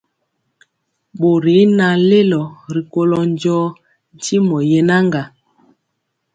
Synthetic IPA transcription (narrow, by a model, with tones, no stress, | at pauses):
ɓo˨ɾi˨˦na˨le˦lɔ˨ɾi˨ko˦lɔ˦n˦d͡ʒɔː˦ | n̩˨ti˦mɔ˨je˨na˦ŋɡa˨